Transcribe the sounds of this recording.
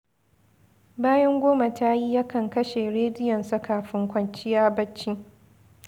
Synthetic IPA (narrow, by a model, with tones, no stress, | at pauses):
baː˦jɐ˦ŋɡʷoː˦ma˨tʰa˦ji˦jaː˦kɐ˨ŋkɐ˦ʃe˨ɾeː˦dɪ˦jɔ˨nsa˦kaː˨ɸɪ˦ŋkʷɐ˦nt͡ʃɪ˦jaː˦bɐ˦t͡ʃːi˦